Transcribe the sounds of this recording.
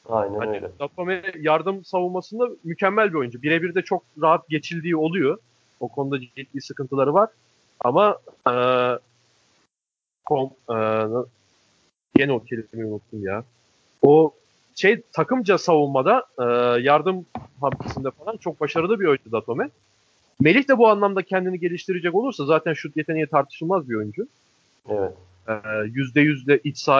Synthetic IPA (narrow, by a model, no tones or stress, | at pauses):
ajnæaøjlɛ̰d̪at̪ʰo̞mɛjaɾd̪ɯmsavunˠmasɯnd̪amycʰæmːælʲbio̞jund͡ʒubiɾe̞biɾd̪ɛt͡ʃʰo̞k̚ɾaɦat̪̚ɟe̞t͡ʃʰilʲd̪iːo̞lˠujo | okʰonud̪ad͡ʒit̪lʲiːsɯkɯnt̪ʰɯlˠaɾɯvaɾ̥ | a̰maɯː | kʰomɯːnɯ | jenocʰelʲeɾimiunut̪ʰːumjaː | o | ʃejt̪ʰakʰɯmd͡ʒasavulˠmad̪aɯːjaɾd̪ɯmɦamt̪ʰesind̪ɛfalˠant͡ʃʰo̞k̚baʃaɾɯlˠɯbiø̞jynd͡ʒud̪at̪ʰo̞mɛ | me̞lʲiçd̪ɛbuanlˠamd̪acʰɛnd̪iniɟe̞lʲiʃt̪ʰiɾed͡ʒɛko̞lˠuɾsazaːt̪ʰænʃut̪je̞t̪ʰeijɛt̪ʰaɾt̪ʰɯ̥ʃɯlˠmazbiø̞jynd͡ʒu | ɛɛ | jyzd̪ɛjyzd̪ʲɛʔit͡ʃsaː